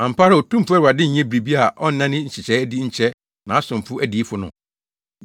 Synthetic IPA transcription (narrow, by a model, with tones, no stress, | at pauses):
ã˨m̩˨pʰa˦ɾɪ˦o˨tʰũ˦m˦fʊ˦ɛ˦ɾa˨dɪ˦ɲ̩˨˦ɲɛ̃˦bɾi˨bi˦a˨ʔɔ˦n̩˦nã˦nɪ̃˦ɲ̩˨t͡ɕʰɪ˨t͡ɕʰɛ˦di˦ɲ̩˨t͡ɕʰɛ˦ | nã˨˦a˦sʊ̃˨m˨fʊ˦ʔæ˦di˨˦fʊ˦nʊ̰̃˨